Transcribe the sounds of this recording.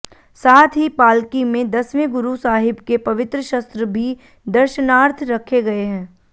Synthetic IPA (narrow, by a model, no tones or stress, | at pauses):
saːt̪ʰɦipaːlkimẽd̪ɐsmẽɡʊɾusaːɦɪbkepɐʋɪt̪ɾəʃɐst̪ɾəbʱi | d̪ɐɾʃənaːɾt̪ʰɾɐkʰeɡɐeɦɛ̃ː